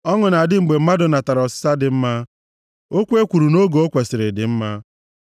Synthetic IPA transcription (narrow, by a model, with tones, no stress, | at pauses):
ɔ˦ŋʊ˨na˨dɪ˦ŋ͡m̩˨ɡ͡be˨m̩˦ma˦dʊ˨na˨ta˨ɾɔ˨sɪ̥˦sa˦dɪ˨m̩˦ma˦ | o˦kʷe˦kʷu˨ɾu˨no˦ɡo˦kʷe˨sɪ˨ɾɪ˨dɪ̰˨m̩˦ma˦